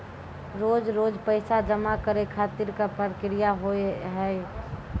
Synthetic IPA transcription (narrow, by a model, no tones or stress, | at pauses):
ɾoːd͡ʒɾoːd͡ʒpəɪsad͡ʒəmakəɾekʰaːt̪ɪɾkapəɾəkɾijaɦoeɦɛ